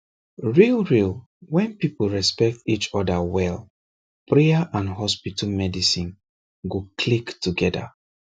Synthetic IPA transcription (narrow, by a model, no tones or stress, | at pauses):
ɹilˠɹil | wɛ̃npipl̩ɹɛspɛk̚tit͡ʃɔdəwɛlˠ | pʰɹɛaʔãnɦɔspitʰalmɛdisĩn | ɡokʰliktuɡɛda̰